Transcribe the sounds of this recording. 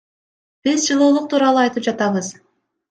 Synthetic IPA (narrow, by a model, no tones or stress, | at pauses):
b̥izd͡ʒɯlˠuːlˠuq̚t̪ʰuːɾɑlˠuɑjt̪ɯp̚d͡ʒɑt̪ɑβɯz